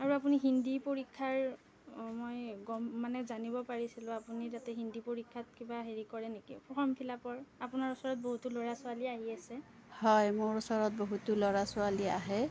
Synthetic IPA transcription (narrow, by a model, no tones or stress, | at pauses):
aɹuapuniɦindipoɹikʰːaɹ | mojɡɔmːanɛzanibɔpaɹisilʊ̃apunitatɛɦindipoɹikʰːatkibaɦeɹikɔɹɛnekḭpɹɔkʰɔmkʰilapɔɹapunaɹusɔɹɔt̚boɦutʊloɹasʊaliaɦiasɛ | hɔjmoɹusɔɹɔt̚boɦutuloɹasʊaliaɦɛ